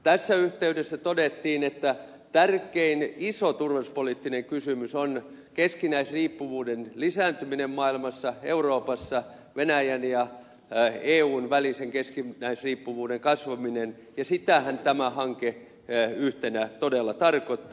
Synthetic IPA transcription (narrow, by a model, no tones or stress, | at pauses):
t̪æsːæyht̪eydesːæt̪odet̪ːiːnet̪ːæ | t̪ærkˑeinisot̪urʋeuspolit̪ːineŋkysymyson | keskinæisriːpːuʋuːdenlisæːnt̪yminemmɑilmɑsːɑeuroːpɑsːɑ | ʋenæjænjɑ | eːuːnʋæliseŋkeskinæisriːpːuʋuːdeŋkɑsʋɑminen | jɑsit̪æhænt̪æmæhɑŋke | yht̪enæt̪odelːɑt̪ɑrkot̪ː